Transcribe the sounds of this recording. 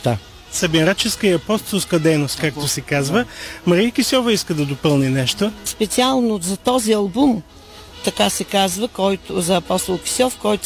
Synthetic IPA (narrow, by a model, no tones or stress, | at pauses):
a | sɐbinɾat͡ʃɛskəiɐpɔst̪olˠskəd̪ɛjnost̪̚kak̚t̪osɛkazvəmɐɾijəkisʲɔvəiskəd̪ɐd̪opɤlˠninɛʃt̪ospɛt̪sialˠnozɐt̪ɔziɐlˠbum | t̪ɐkasɛkazvəkɔjt̪ʊzɐːpɔst̪olˠki̥sʲɔfkɔjt̪